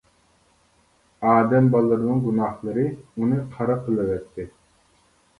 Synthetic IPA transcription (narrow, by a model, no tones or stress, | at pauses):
ɑːd̪ɛmbɑlˠːɯɾɨnɨŋɡunɑhlˠɨɾɨunɨqʰɑɾɑqʰɨlˠɛvɛt̪ʰːɪ